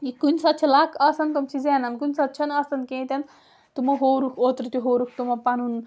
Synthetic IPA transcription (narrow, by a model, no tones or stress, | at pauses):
ikunʲsɐt̪̚t͡ʃʰɐlaːkʰɐsɐnt̪umsizenɐnkunʲsɐt̪̚ːt͡ʃʰɐnɐsɐnkẽːt̪ʲeɐn | t̪umɐɦoːɾukʰoːt̪ɾt̪iɦoːɾuk̚ʰt̪umɐpɐnun